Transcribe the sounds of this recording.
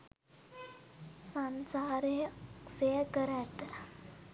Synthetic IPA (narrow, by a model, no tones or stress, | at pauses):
sansaɾesekəɾɛt̪